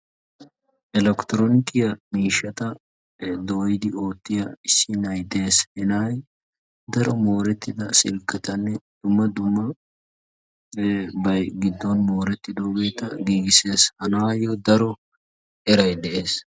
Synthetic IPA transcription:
ʔɪlɛkt̪ɾonɪkɪjɐmiːʃːɐt̪ɐ | d̪oːjɪd̪ɪo̞ːt̪ːɪjɐɪsːɪnɐjd̪eːshɪnaːj | d̪ɐɾɔmo̞ːɾɛt̪ːɪd̪ɐsɪlkʼːɛt̪ɐnːɛd̪̥ʊmːɐd̪ʊmːɐ | bɐjɡɪd̪ːɔnmo̞ːɾɛt̪ːɪd̪o̞ːɡe̞ːt̪ɐɡiːɡɪse̞ːshɐnaːjɔd̪ɐɾɔ | ʔɛɾɐjd̪ɛʔeːs

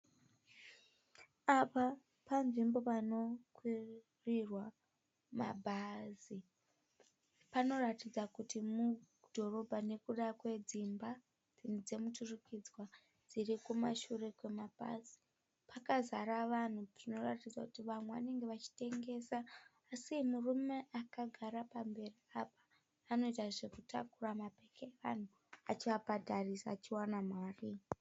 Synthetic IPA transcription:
apa | panʐimbo̞pano̞kwi | rirwa | ma̰bʱazi | pano̞ratid͡zakutimu | dʱo̞ro̞bʱane̞kuɗakwe̞d͡zimba | d͡zind͡ze̞muturikid͡zwa | d͡ziɾikumaʃure̞kwe̞mapa̰si̥ | pakazaɾaʋan̤uʐino̞ratid͡zakutiʋamweʋa̰ne̞ŋɡe̞ʋat͡ʃi̥te̞ŋɡe̞ːsaː | simurume̞ʔakaɡʱaɾapambe̞riapḁː | no̞itaʐe̞kutakuramapekeeʋan̤u | at͡ʃiʋabadʱarisaːt͡ʃiwanamaːri

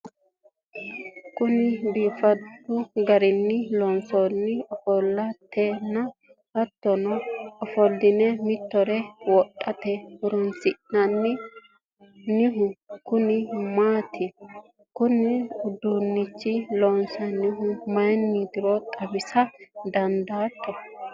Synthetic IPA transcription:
kʊnɪbiːfɐt̪ːʊɡɐɾɪnːɪlɔnsonːɪɔfɔlːɐt̪ʰːeːnːɐ | ɐt̪ːɔnɔɔfɔd̪ɪnɛmɪt̪ːɔɾɛwɔʔʼːɐt̪ɛʊɾɔnsɪʔnɐnːɪ | nɪɦʊkʊnɪmaːt̪ʰɪ | kʊnɪʊd̪unːɪt͡ʃːɪlɔnsɐnɪɦʊmɐjnːɪd̪ɪɾɔt̪ʼɐbɪsɐd̪ɐnd̪aːt̪ʰːɔ

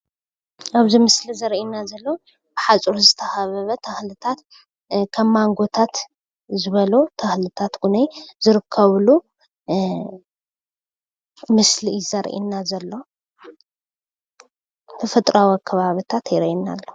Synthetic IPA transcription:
ʔaβzimɨslizɐɾinːazɐlːo̞ | b̥ɨħat͡sʼuɾuzɨt̪ʰɐxɐβɐβɐt̪ʰɐxlɨt̪ʰat̪ | kʰɐmːaŋɡo̞t̪ʰat̪ | zɨβɐlut̪ʰɐxlɨt̪ʰat̪ɡunɐjzɨɾɨkʰːɐβlu | mɨslizɐɾ̰ʔḭnːazɐlːo̞ | t̪ʰɐfɐt̪ʼɾawikʰːɐβaβit̪ʰat̪jɪɾinːa̰lːo

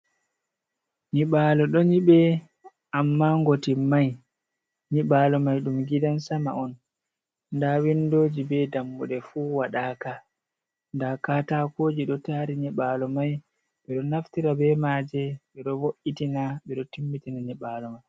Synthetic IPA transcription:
niɓaːlɔɗɔɲiɓɛ | ʔamːaŋɡotimaj | niɓalɔmajɗumɡidansama̰ɔn | ndawindoːd͡ʒibɛdambuɗɛfuːwaɗaːka | ndakaːtakoːd͡ʒiɗɔtaɾiɲiɓaːlɔmaj | ɓɛɗɔnaftiɾabɛmaːd͡ʒɛɓɛɗɔwoʔitinaɓɛɗɔtimːitinaɲiɓalɔmaj

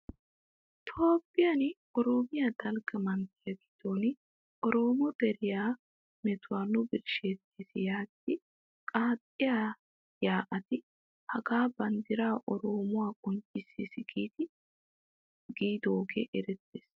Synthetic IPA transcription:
t̪ʰo̞ːpʼːɪjan | ɔɾoːmɪjad̪ɐlɡɐmɐnt̪ɪɐɡɪ̥d̪oːnɪ | ʔɔɾo̞ːmɔd̪ɛɾɪjaː | mɛt̪ʊwaːnʊbɪɾʃet̪ːisɪjaːt̪ːɪ | kʼaːt̪ʼːɪjaː | jaːʔɐt̪ɪ | hɐɡaːbɐnd̪ɪɾaːʔɔɾo̞ːmʊwaːkʼɔnt͡ʃʼɪsisɪɡiːt̪ɪ | ɡ̥iːd̪oːɡḛʔɛɾɛt̪ːeːs

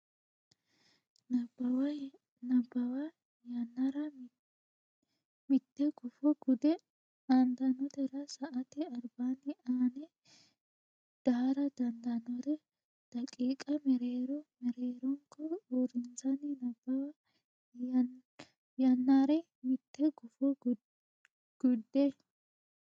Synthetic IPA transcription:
nɐbɐw | nɐbːɐwɐ | jɐnːɐɾɐ | mɪt̪ːɛɡʊfɔɡʊd̪ɛ | and̪ɐnɔt̪ɛɾɐsɐʔɐt̪ɪɐɾbaːnːɪaːnɛ | d̪̥aːɾɐd̪ɐnd̪ɐnɔt̪ɛ | d̪̥ɐkʼiːkʼɐmɛɾeːɾɔmɛɾeːɾɔŋkɔɔɾɪnsɐnɪnɐbɐwɐ | jɐnːaɾɛ | mɪt̪ːɛɡʊfɔ | ɡ̥ʊd̪ːɛ

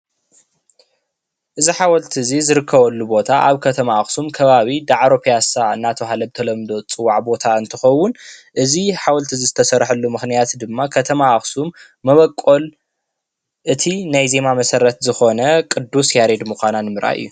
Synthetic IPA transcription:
ʔɨziħawɐlt̪ʰɨzizɨɾɨkʰːɐβɐlːubo̞t̪ʰaʔaβkʰɐt̪ʰɐmaaxsumkʰɐβaβid̪aʕɾopʰijasaɨ̰nːat̪ʰoɦalɐb̚t̪ʰɐlɐmd̪o̞t͡sʼɨwːaʕbo̞t̪ʰaɨnt̪ʰɨxɐwːʊnʔɨziħawɐlt̪ʰɨzizɨt̪ʰɐsɐɾħɨlːumɨxnijat̪d̪ɨmːakʰɐt̪ʰɐmaaxsumː | ɐβɐkʼːo̞l | ʔɨt̪ʰinajze̞mamɐsɐɾɐt̪zɨxo̞nɐkʼɨd̪ːusjaɾed̪muxananɨmɨɾʔa̰ʔɨ̰jːu

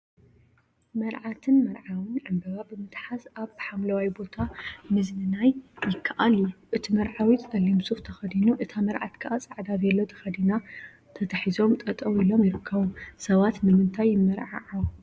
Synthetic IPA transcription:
mɐɾʕat̪ʰɨnmɐɾʕawɨnʕɨmbɐβabɨmɨt̪ʼħazaβħamlɐwajbo̞t̪ʰamɨznɨnajjɪkʰːɐʔaliuʔɨt̪ʰimɐɾʕawit̪ɐlːimsuxt̪ʰɐxɐd̪inuʔɨt̪ʰamɐɾʕa̰t̪kʰɐʔat͡sʼɐʕd̪azɐlːo̞t̪ʰɐ̥xɐd̪ina | t̪ʰɐt̪ʰɐħizo̞mt̪ʼɐt̪ʼɐwilo̞mjɪɾɨkʰːɐβusɐβat̪nɨmɨnt̪ʰajːɪmːɐɾʕa̰ʕaw

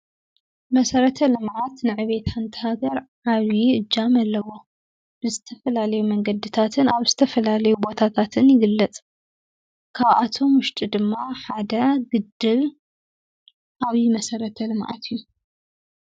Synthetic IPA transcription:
mɐsɐɾɐt̪ʰɐlɨmʕat̪nɨʕɨβe̞t̪ħant̪ʰɐhaɡɐɾʕaβiɨd͡ʒːamɐlːɐwo̞ | b̥ɨzɨt̪ʰɐfɐlalɐjumɐŋɡɐd̪it̪ʰat̪ʰɨnaβzɨt̪ʰɐfɐlalɐjubo̞t̪ʰat̪ʰat̪ʰɨnjɪɡɨlːɐt͡sʼ | kʰaβʔat̪ʰo̞mwʊʃt̪ʼid̪ɨmːaħad̪ɐɡɨd̪ːɨl | ʔaβimɐsɐɾɐt̪ʰɐlɨmʕa̰t̪ʰɨjːu

